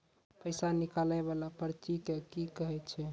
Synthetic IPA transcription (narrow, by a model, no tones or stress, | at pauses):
pəjsanikalaβalapəɾt͡ʃikekikəɦɛt͡ʃʰɛ